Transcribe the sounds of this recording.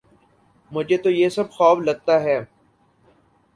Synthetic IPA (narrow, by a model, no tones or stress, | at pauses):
mʊd͡ʒʱet̪ojeːsɐbxɔːflɐɡ̚t̪aɦɛː